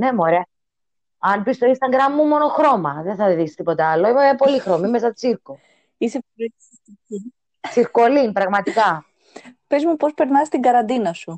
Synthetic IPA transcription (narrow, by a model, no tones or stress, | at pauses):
ne̞muoɾeɐ | ɐnpist̪o̞inst̪ɐɡɾɐmːumo̞no̞xɾo̞mɐðenθɐðiksi̥st̪ipo̞t̪ɐɐlːoimeepo̞lixɾomimesɐt̪u̥t͡siɾku | isep | ii | t͡siɾkolinpɾɐɣmɐt̪ikɐ | pezmupo̞speɾnɐst̪iŋɡɐɾɐnd̪inɐsu